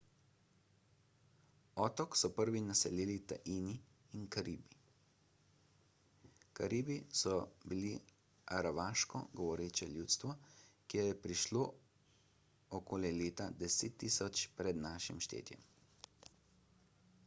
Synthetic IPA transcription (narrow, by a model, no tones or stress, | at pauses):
ɔːt̪ɔksɔpəɾʋinasɛleːlit̪a̰ʔiːniː | nkaɾiːbi | kaɾiːbisɔbili | aɾaʋaːʃkɔ̰ɡɔʋɔɾeːt͡ʃɛljuːt̪st̪ʋɔkejɛpɾiʃloː | ɔkoːljɛleːt̪ad̪ɛset̪ːiːsɔt͡ʃpɾɛd̪naːʃimʃt̪ḛːt̪jɛ̰m